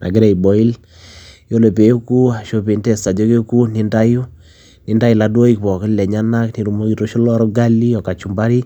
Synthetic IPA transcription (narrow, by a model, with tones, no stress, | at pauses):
na̰˨ɡe˦ɾe˨i˨bɔ˨i˦l | jo˦le˨pe˨˦ku˦a˨ʃo˦pe˨nte˦˨sta˨d͡ʒo˦ke˦ku˦ni˦nda˦ju˦ | ni˦nda˦i˨la˨do˦i˦k̚pɔ˨kɪ˦llɛ˨ɲa˦na˦kni˨ɾu˨mo˦ki˨to˦ʃo˦lɔ˦ɾɔ˦ɡa˦li˦ɔ˨ka˨t͡ʃu˨mba˦ɾi˦